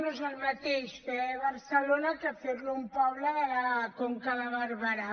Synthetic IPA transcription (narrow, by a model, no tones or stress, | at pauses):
nozalmat̪eʃpeɛβaɾselonakafeɾlompawlaakoŋkalaβaɾβaɾa